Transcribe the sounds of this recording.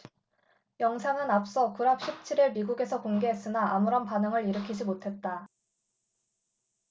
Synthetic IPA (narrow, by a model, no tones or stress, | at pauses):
jʌŋsʰaŋɯnap̚s͈ʌkuɾap̚ɕʰip̚t͡ɕʰiɾiɭmiɡuɡe̞sʰʌkoŋɡe̞ɦes͈ɯnaʔamuɾʌnpanɯŋɯɾiɾɯkʰid͡ʑimotʰe̞t̚t͈a